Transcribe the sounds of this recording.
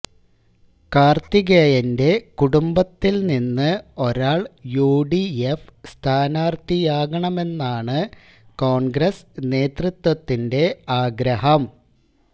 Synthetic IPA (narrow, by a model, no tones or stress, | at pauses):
kaːrt̪iɣejɐnde̞kuɽumbɐt̪ːilninːɨo̞ɾaːɭjuːɖiefst̪ʰaːnaːrt̪ijaːɣɐɳɐme̞nːaːɳɨ | ko̞ːɳɡɾɐsne̞ːt̪rɨt̪wɐt̪ːinde̞aːɡɾɐɦɐm